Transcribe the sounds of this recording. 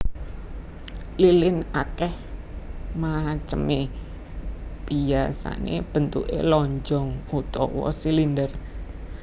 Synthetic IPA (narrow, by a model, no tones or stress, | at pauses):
lilɪnakɛh | mat͡ʃəme | b̥iasa̰nḛb̥ənt̪uʔḛlɔɲd͡ʒɔŋut̪ɔ̰wɔ̰silindər